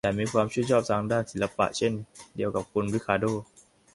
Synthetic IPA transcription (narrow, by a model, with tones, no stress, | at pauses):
t͡ɕa˨˩miː˧kʰwaː˧mt͡ɕʰu˥˩jt͡ɕʰɔː˥˩p̚saː˧˩ŋdaː˥˩nsi˨˩˦la˧pa̰˨ʔt͡ɕʰe˥˩ndi˧əwka˨˩p̚kʰu˧nbli˦˥kʰaː˧doː˥˩